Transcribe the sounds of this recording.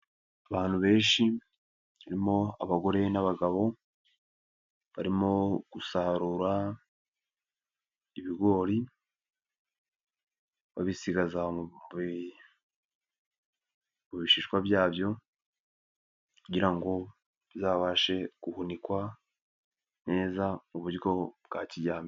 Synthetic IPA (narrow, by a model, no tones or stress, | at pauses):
aβaːn̥huβe̞ːnʃi | βaɾimo̞aβaɡo̞ɾe̞naβaɡaβo̞ | βaɾimo̞ɡ̥usaɾuɾa | iβiɡo̞ːɾi | βaβisiɡazamβ | muβiʃiːʃkwabjaːbjo̞ | kuɟiɾaŋɡo̞ | βizaːβaːʃe̞ɡ̥uhunikwa | ne̞ːzamuβuɾɡo̞bɡaːciɟaːmi